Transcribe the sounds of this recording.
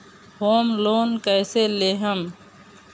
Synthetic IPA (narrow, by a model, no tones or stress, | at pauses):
hoːmloːnkəjseleːɦəm